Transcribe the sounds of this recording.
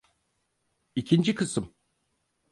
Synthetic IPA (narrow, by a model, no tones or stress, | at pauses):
icʰind͡ʒikʰɯsɯm